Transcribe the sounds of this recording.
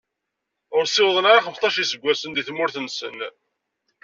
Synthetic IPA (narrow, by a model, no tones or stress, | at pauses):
ʊɾsɪwðˤənaɾɑχəmst̪ˤɑʃisəɡʷːæsənd̪iθmʊɾθənsə̰n